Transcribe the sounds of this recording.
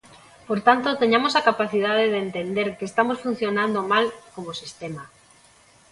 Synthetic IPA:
poɾt̪ant̪ot̪eɲamosakapaθiðað̞eðeːnt̪end̪eɾkest̪amosfun̟θjonãnd̪omalkomosist̪ema

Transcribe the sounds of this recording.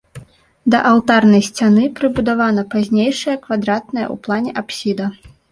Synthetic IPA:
d̪ɐʔɐw̪t̪arnɐjsʲt͡sʲanɨpɾɨbud̪avan̪ɐpazʲnʲejʂɐjɐkvad̪ɾat̪̚nɐjɐ̰ṵplˠanʲɛʔapsʲid̪ɐ

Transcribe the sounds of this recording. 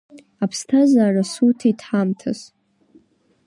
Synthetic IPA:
apʰstʰazaːrasutʰitʰħamtʰas

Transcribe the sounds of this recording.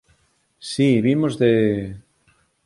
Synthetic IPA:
siβimozðe

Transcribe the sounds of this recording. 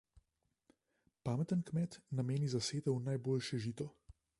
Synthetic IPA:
paːmɛt̪ənkmɛt̪nameːnizaseːt̪ɐwnajboːlʃɛʒiːt̪ɔ

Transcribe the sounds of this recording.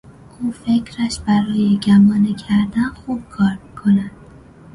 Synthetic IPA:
ʔuːfecʰɾæʃbæɾɒːjeɟæmɒːnecʰæɾd̪ænxuːb̥̚kʰɒːɾmikʰo̞næd̪̥

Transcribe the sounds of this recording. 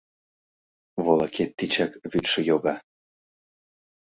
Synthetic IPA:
βolˠɑket̪ːit͡ɕakβyt̪ʃə̆joɣɑ

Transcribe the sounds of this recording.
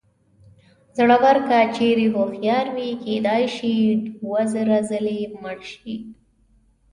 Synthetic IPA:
zɽawaɾkat͡ʃeɾeɦoxjɑɾwiked̪ɑjʃiɖwazɾazəleməɽʃi

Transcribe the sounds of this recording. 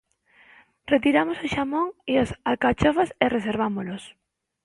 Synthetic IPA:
ret̪iɾamosoʃamõŋiosalkat͡ʃofasereseɾβ̞amolos

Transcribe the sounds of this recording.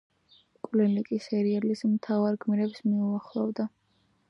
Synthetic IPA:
kʼlinikʼisɛɾiɛlismt̪ʰavaɾɡʰmiɾɛpsmiuaχlˠɔvd̪a

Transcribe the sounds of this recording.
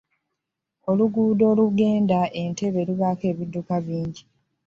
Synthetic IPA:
o̞luɡuːdo̞ːluɡe̞ːndaʔe̞nte̞βe̞luβake̞ːβidːukaβiːɲɟi

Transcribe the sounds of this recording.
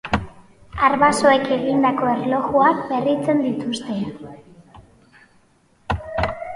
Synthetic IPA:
aɾβaso̞e̞ke̞ɣind̪ako̞e̞ɾlo̞ɣuakβe̞rit͡se̞nd̪it̪ust̪e̞

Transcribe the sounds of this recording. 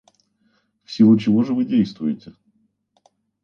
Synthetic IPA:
fsʲilut͡ɕɪvo̞ʐɨvɨdʲejst̪vʊjɪtʲɪ

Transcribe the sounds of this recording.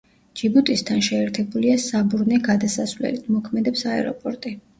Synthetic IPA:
d͡ʒibut̪ʼist̪ʰanʃɛːɾt̪ʰɛbuliasabuɾnɛɡad̪asasvlɛ̰lit̪ʰmɔkʰmɛd̪ɛpsaɛ̰ɾɔ̰pʼɔɾt̪ʼi

